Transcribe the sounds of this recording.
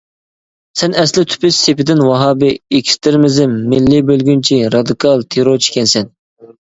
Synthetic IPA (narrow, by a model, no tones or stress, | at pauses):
sɛnɛslɪt̪ʰy̥pʰɪʃːepɪd̪ɪnwɑɦɑːbɪekʲʰst̪ʰɪɾmɪzɪmːɪlːɪbølɡʲynt͡ʃʰiɾɑd̪ɨkʰɑlˠt̪ʰeɾoɾt͡ʃʰi̥kʲɛnsɛn